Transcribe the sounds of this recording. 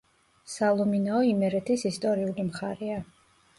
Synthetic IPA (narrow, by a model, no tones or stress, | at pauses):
salˠɔminaɔimɛɾɛt̪ʰisist̪ʼɔɾiulimχaɾɛa